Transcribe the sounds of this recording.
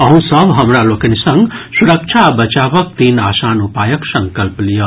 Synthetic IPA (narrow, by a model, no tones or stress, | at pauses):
ʌɦũsʌbɦɐmɾaloːkɐnisʌŋɡsuɾɐkt͡ʃʰabɐt͡ʃaːʋək̚t̪inaːsaːnupajɐksɐŋkɐlplijo